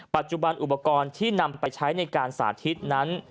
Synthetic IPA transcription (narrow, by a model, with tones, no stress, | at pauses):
pa˨˩t̪̚t͡ɕu˨˩ba˧nʔu˨˩pa˧kɔː˧nt̪ʰiː˥˩na˧mpa˧jt͡ɕʰa˦˥jna˧jkaː˧nsa̰ː˩˦t̪ʰi˦˥t̪̚na˦˥n